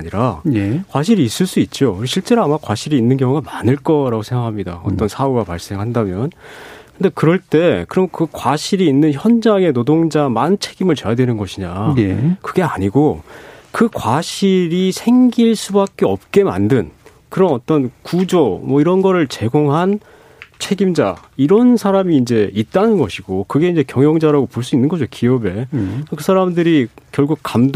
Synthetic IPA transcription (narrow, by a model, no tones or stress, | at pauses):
ɲiɾajekwaɕ̬ʰiɾiːs͈ɯɭs͈uit̚t͡ɕ͈ouɾiɕʰiɭt͡ɕ͈e̞ɾoamakwaɕʰiɾiːnːɯnkjʌŋuɡamanɯɭk͈ʌɾaɡosʰe̞ŋɡakʰamɲida̰ʌ̰t͈ʌnsʰauɡapaɭs͈e̞ŋɦandamjʌnkɯnde̞kɯɾʌɭt͈e̞kɯɾʌmkɯkwaɕʰiɾiːnːɯnçjʌnd͡ʑaŋe̞nodoŋd͡ʑamant͡ɕʰe̞ɡ̥imɯɭt͡ɕe̞jadwenɯnɡʌɕʰiɲajekɯɡe̞aɲiɡokɯkwaɕʰiɾisʰe̞ŋɡiɭs͈ubak̚k͈e̞ʌp̚k͈e̞ma̰ndɯn | kɯɾʌnʌt͈ʌnkud͡ʑomwʌiɾʌnɡʌɾɯɭt͡ɕe̞ɡoŋɦan | t͡ɕʰe̞ɡimd͡ʑa̰iɾʌnsʰaɾamiːnd͡ʑe̞it̚t͈anɯnɡʌɕʰiɡokɯɡeind͡ʑe̞kjʌŋjʌŋd͡ʑaɾaɡopoɭs̬͈uinːɯnɡʌd͡ʑokiʌbe̞kɯsʰaɾamdɯɾikjʌɭɡuk̚k͈amd